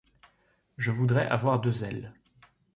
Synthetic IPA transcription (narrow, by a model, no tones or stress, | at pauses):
ʒəvud̪ʁɛʔa̰vwaʁd̪øzɛl